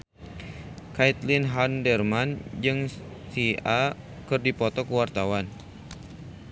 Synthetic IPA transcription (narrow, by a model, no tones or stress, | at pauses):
kait̪linɦandɛrmand͡ʒɨŋ | sia | kɨrdipɔt̪ɔkəwart̪awan